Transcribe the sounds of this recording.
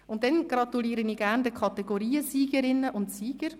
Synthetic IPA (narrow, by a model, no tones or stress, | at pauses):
ʊntːɛnɡ̥ɾɑt̪uliːɾəniːɡæʁndəkʰɑt̪ɛɡoɾiːəsiːɡ̥əɾɪnːəʔʊntsiːɡ̥əɾ